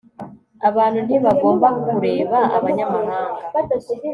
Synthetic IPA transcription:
aβaːn̤undiβaɡo̞ːmbakokuɾe̞ːβaʔa̰βaɲamahaːŋɡatai

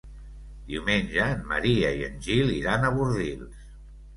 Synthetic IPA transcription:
d̪iwmenʲʒəːnmːə̰ɾiəiə̰nʲʒilˠiɾanəβuɾðilˠs

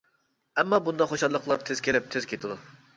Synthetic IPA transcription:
ɛmːɑbund̪ɑχoʃɑlˠːəqlˠɑɾt̪ʰez̥kʲʰelɪp̚t̪ʰɪz̥kʲʰet̪ʰɨd̪u

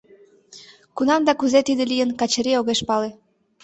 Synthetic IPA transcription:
kunɑmd̪ɑkuzet̪id̪elijənkɑt͡ɕeɾeoɣeʃpɑle

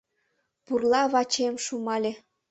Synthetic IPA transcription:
purlɑβɑt͡ɕemʃumɑlʲe

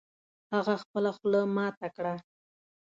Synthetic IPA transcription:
haɣaxpəlaxləmɑt̪akɽa

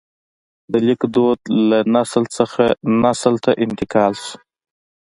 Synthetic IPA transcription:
d̪əlikd̪od̪lanaslsəxanasəlt̪ʰaʔɪnt̪ɪkʰɑlsu̥

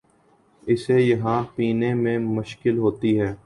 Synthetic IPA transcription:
ɪsejɐɦãpiːnẽmẽmʊʃkɪlɦoːt̪iɦɛː

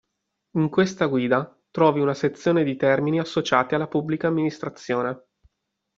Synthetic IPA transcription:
iŋkwest̪aɡwiːd̪a | t̪ɾɔːviunaset̪sːjoːned̪it̪ɛrminiasːot͡ʃaːt̪ialːapubːlikaːmːinist̪ɾat̪sːjoːne

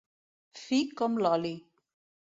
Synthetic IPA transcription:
fikɔmlɔli

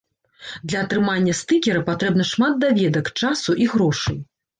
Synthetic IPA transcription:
d̪lʲɐɐt̪ɾɨmanʲːɐst̪ɨkʲɛɾɐpat̪ɾɛbnɐʂmat̪̚d̪avʲɛd̪ɐkt͡ʂasuʔiɣɾɔʂɨj

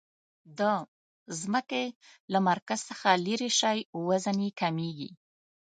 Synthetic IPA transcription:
d̪ə | zməkelamaɾkaz̥səxaleɾeʃɑjwəzanekameɡḭ

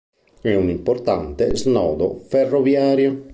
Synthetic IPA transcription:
ɛunimport̪ant̪eznɔːd̪o̰ferːovjaːɾjo

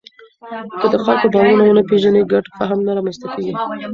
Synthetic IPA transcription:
kəd̪əxalkobɑwunawənəpeʒaneɡaʈpaɦamnaɾɑmanst̪akeɡi

